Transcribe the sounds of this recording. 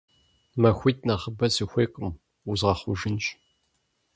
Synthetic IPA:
mɐxʷiːtʰʼnɐʁəbɐzɨxʷeːqʼʊm | uzʁɐχʷʊʒɪnɕ

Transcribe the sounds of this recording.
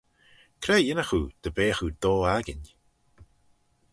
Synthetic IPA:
kʰɾɛːjɪnəxud̪̥əbeːxud̪oːaɡɪn

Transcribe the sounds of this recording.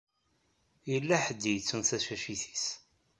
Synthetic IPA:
jəlːæħəd̪ːijət͡sːunθæʃæʃiθi̥s

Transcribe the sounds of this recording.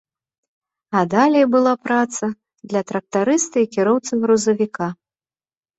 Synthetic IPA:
ɐd̪alʲɛjbɨlˠapɾat̪sɐ | d̪lʲɐt̪ɾɐk̚t̪aɾɨst̪ɐikʲiɾɔwt̪sɨɣɾuzɐvʲikʰa

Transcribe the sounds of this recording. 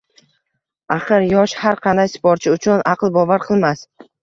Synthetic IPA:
aχɨɾjɒʃhaɾqʰɑnd̪ajsɪ̥pʰɒɾt͡ʃʰɪʊt͡ʃʰʊnʔɑqlˠbɒvaɾqʰɨlˠmas

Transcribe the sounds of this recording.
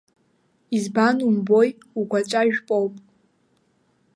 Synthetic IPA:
izbanumbo̞j | uɡʷat͡ʃʷʼaʒᶣpʼowpʼ

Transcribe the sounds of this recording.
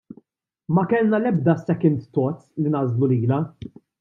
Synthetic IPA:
mɐkɛlnɐlɛb̚d̪ɐsɛkɪnt̪t̪ɔt̪linɐzluliːlɐ

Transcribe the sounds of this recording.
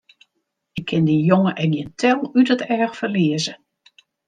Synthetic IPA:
ɪkʰɪndijoŋəʔɛɡjɪntʰɛlˠytətɛɹxfərliəzə

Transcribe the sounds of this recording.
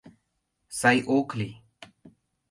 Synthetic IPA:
saːiːʔoːkʰliː

